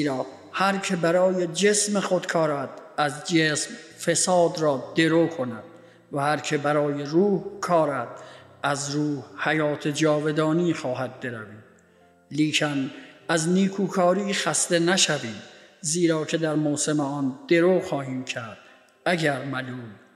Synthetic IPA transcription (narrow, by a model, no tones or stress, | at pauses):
iɾɒː | hæɾkʰe̞bæɾɒːjed͡ʒesmexod̪kʰɒːɾæt̪æzd͡ʒesmfesɒːd̪ɾɒːd̪e̞ɾoːkʰonæd̪̥̚ | væhæɾkʰe̞bæɾɒːjeɾuːhkʰɒːɾæt̪̚ʔæzɾuːhhæjɒːt̪ʰed͡ʒɒːve̞d̪ɒːniːxɒːɦæd̪̚be̞ɾæviːm | liːkʰænæzniːkʰuːkʰɒːɾiːxæst̪enæʃæviːmziːɾɒːkʰe̞d̪æɾmoːse̞meɒːnd̪̥e̞ɾoːxɒːhiːmcʰæɾd̪̥ | æɡæɾmæluːm